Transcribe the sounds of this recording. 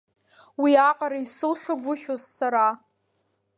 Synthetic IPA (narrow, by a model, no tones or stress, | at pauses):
wiaqʼaɾaisɨlʃʷaɡʷʊʃozːaɾa